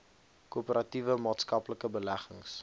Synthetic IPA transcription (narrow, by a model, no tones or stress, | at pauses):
kuːpəɾɐtivəmɑːtskɐpləkəbəlæχə̰ŋs